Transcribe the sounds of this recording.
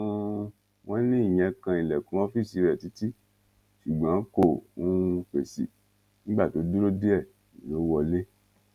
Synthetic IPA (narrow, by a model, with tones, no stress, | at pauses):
wɔ̃˦nĩ˦i˦˨j̃ɛ̃˧kã˧i˨lɛ˨kũ˨˦ɔ˦fi˦˨si˧ɾɛ˨ti˨˦ti˦ | ʃu˨ɡ͡bã˨˦ko˦˨ũ˦˧˦k͡pe˨sḭ˨ | nĩ˦ɡ͡ba˦˨to˨˦du˦ɾo˦de˦ɛ˦˨ | i˨lo˨˦wɔ˧le˦